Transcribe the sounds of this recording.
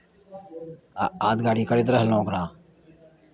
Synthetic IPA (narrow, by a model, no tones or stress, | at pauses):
aːaːd̪̚ɡaːɽiːkəɾeːt̪ɾəɦlõːkɾãː